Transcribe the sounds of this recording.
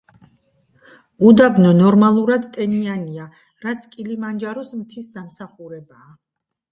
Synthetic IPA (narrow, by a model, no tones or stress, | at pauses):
ud̪abnɔnɔɾmalˠuɾad̪t̪ʼɛniania | ɾat̪sʰkʼilimand͡ʒaɾɔsmt̪ʰisd̪amsaχuɾɛbaː